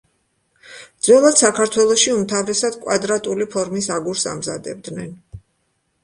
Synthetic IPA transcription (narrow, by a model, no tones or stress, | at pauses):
d̪zwɛlˠad̪sakʰaɾt̪ʰwɛlˠɔʃiumt̪ʰavɾɛsad̪̥kʼwad̪ɾat̪ʼulipʰɔɾmisaɡuɾsa̰mza̰d̪ɛb̚d̪nɛn